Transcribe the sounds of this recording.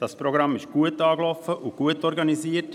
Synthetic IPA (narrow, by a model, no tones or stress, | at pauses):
d̥ɑspɾɔɡɾɑmːɪʃɡ̥uətɑːɡlɔfəʔʊɡ̥uətɔɾɡɑniziət